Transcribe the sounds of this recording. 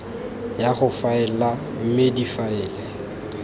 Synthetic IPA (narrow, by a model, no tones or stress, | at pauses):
jaχʊfaɛla | m̩mɪdifaɪːlɛ